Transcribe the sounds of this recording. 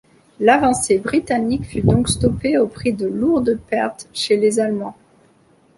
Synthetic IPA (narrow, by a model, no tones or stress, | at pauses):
lavɑ̃sebʁit̪anikfyd̪ɔ̃kst̪ɔpeopχid̪əluʁd̪əpɛʁt̪ʃelezalmɑ̃